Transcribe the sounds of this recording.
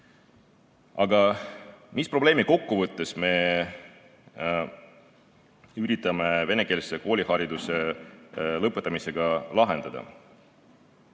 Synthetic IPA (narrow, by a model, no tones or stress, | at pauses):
ɑɡ̥ɑ | mispro̞ble̞ːmiko̞kːuvɤt̪ːˑe̞sme̞ | yɾit̪ːˑɑme̞ve̞ne̞ke̞ːlseko̞ːlʲihɑɾid̪use̞ | lɤpːˑet̪ːˑɑmise̞ɡ̥ɑlɑɦe̞nd̪̥ɑd̪̥ɑ̰